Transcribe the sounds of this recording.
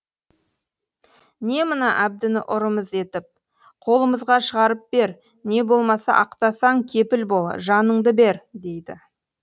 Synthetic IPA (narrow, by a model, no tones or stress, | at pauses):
ne̞mənɑʔæb̚d̪ɪnɪʔʊɾəməze̞t̪ɪp̚ | qʰo̞lˠəməzʁɑʃəʁɑɾəp̚b̥e̞ɾ | ne̞bo̞lˠmɑsɑ̰ʔɑqt̪ɑsɑŋkʲʰe̞pɪlbo̞lˠə̰ʒɑnəɴd̪əbe̞ɾd̪e̞jd̪ɪ̰